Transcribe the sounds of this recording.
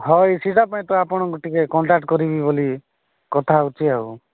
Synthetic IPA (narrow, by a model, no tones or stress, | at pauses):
ɦɔjsizapaĩt̪ɔapɔɽ̃ɔɡoʈikekɔɳʈak̚ʈkɔɾibiboli | kɔt̪ʰaut͡ʃʰiau